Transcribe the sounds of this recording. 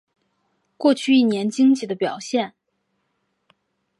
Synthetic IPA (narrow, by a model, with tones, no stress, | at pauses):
kwɔ˥˧t͡ɕʰy˥˧i˥˩njɛ˧˥nt͡ɕi˥ŋt͡ɕʰi˨˩d̪ə˦pjɑ˨˩ʊɕjɛ˥˩n